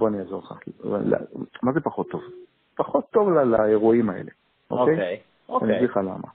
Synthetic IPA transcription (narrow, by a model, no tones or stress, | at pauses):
boaniazoʁlχa̰lla̰mazepaχo̞tːo̞v | paχot̪ːo̞vlalaeʁuimaḛle̞ | ʔo̰kej | o̰kniviχala̰ma̰